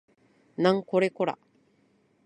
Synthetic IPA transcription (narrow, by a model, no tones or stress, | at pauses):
nãŋkoɾekoɾa̰